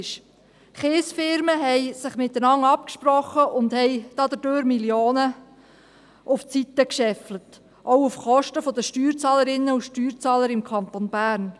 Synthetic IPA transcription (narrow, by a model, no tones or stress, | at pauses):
ʃ | χeːsfɪɾməɦɛɪsɪχmɪt̪ːənɑŋɑpkʃprɔχəʔʊndhɛɪd̥ɑd̪əd̥øːɾmiljoːnə | ʔʊft͡sit̪ːəkʃɛflət | ʔowufχɔʃtəfod̪əʃtyːɾt͡sɑːləɾɪnːəuʃtyːɾt͡sɑːləɾɪmkʰɑnt̪onb̥æːɾn